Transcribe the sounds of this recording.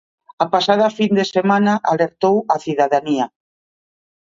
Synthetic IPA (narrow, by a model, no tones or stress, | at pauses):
apasað̞ɐfind̪esemanaʔaleɾt̪owɐθiðaðania